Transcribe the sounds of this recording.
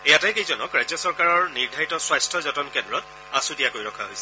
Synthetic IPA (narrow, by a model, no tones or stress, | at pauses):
ejatɛjkejzɔnɔkɹajd͡ʑɔsɔɹkaɹɔɹniɹdʱaɹitɔswajstʰɔzɔtɔnkɛndɹɔt̚ | asudijakojɹɔkʰaɦojsɛ̥